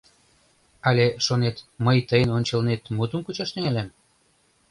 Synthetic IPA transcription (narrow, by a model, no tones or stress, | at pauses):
ɑlʲeʃonet̪məjt̪əjənonʲt͡ɕəlnet̪mut̪əmkut͡ɕɑʃt̪eŋælæm